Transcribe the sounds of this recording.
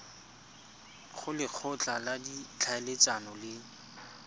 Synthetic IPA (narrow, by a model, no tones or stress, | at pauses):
χʊlɪq͡χʰʊt͡ɬʼaladit͡ɬʰaelet͡sanɔlɪ